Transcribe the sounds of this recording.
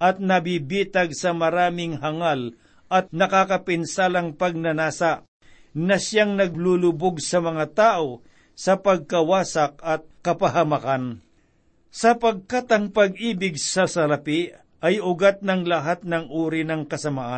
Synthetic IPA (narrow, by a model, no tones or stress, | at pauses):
ʔɐt̪̚nɐbibiːt̪ɐɡ̚sɐmɐɾaːmɪŋɦɐŋal | ʔɐt̪̚nɐkakɐpɪnsaːlɐŋpɐɡ̚nɐnaːsɐʔ | nɐsjaŋnɐɡlulʊboɡsɐmɐŋat̪aːʔo̞ | sɐpɐɡ̚kɐwaːsɐk̚ɐt̪̚kɐpɐɦɐmɐkan | sɐpɐɡ̚kat̪ɐŋpɐɡiːbɪɡ̚sɐsɐlɐpɪ | ʔɐjʊɡat̪̚nɐŋlɐɦat̪̚nɐŋʔuːɾinɐŋkɐsɐmaʔa